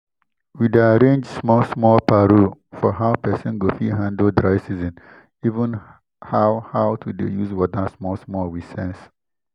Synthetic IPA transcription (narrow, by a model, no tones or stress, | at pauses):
widaɾẽnd͡ʒsmɔlsmɔlpaɾufɔɦaʊpɛsɔ̃nɡofiɦãndəldɾaɪsizĩn | ivə̃n | hawhawtʰudejuzwɔdasmɔlsmɔlwisɛ̃ns